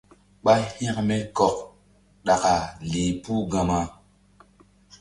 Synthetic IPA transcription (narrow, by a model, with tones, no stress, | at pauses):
ɓa˦hĩ˦kmɛ˦kɔ˨k̚ | ɗa˨ka˨li˨pu˦ɡa˨ma˦